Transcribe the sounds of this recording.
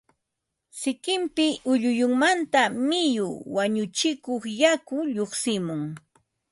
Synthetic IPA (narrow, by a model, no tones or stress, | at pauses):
sɪkɪmpɪʔʊʎʊjʊŋmant̪amɪjʊ̰waɲʊt͡ʃɪkoχjakʊʎoχsɪmʊŋ